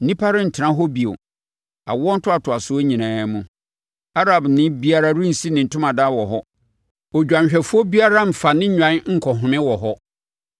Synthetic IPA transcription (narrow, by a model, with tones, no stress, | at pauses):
n˦nĩ˦pʰa˦ɾɪ˦n̩˨tʰɪ˨ã˦ɦɔ˦bi˨o̰˨ | a̰˨wɔ˦n̩˦tʰʊ˦a˨tʰʊ˨a˨sʊ˦o˦ɲĩ˨nãː˨˦mũ˦ | a˦ɾa˨bnɪ̃˦bi˦a˦ɾa˦ɾi˦n̩˨si˦nɪ̃˨n̩˨tʰʊ˦mã˨daː˦˨wɔ˨ɦɔ˦ | ɔ˨d͡ʑᶣã˨ɲ˨ɕᶣɛ˨fʊ˦ɔ˦bi˦a˦ɾa˦m̩˨fa˨nɪ̃˦ɲᶣã˨˦ŋ̩˨kʰɔ˨ɦʊ̃˨mɪ̃˦wɔ˨ɦɔ˦